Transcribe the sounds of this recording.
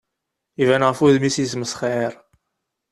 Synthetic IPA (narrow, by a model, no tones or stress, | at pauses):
ivænʁfuðmisjisməsχeɾˤ